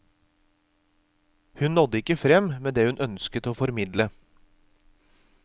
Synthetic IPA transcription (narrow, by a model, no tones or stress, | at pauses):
hʉnnɔd̪əɪkːəfɾɛmmeːd̪eːhʉnʔœnskət̪oːfɔɾmɪd̪lə